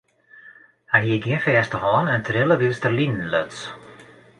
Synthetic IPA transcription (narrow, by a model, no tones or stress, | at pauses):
hanjiɡiənfɛːstəhɔːnəntʰɾɪləʋistərlinn̩løts